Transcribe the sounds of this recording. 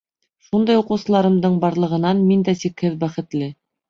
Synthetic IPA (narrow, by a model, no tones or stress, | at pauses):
ʃund̪ɑjuqɤ̆wsɤ̆lˠɑɾɤ̆md̪ɤɴbɑɾlˠɤ̆ʁɤ̆nɑnmind̪æsikhɘðbæχɘ̆t̪lɘ